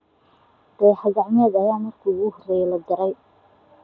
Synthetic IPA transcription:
d̪̥ɛjħɑɡɑʕmɛːd̪ɐjaːmɐrkʰuːɣʊhɔrɛːjɛlɐɡ̪ɐɾɛj

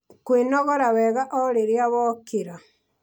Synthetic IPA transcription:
kwenɔɣɔɾawɛɣaʔɔɾeɾjaβɔkiɾa

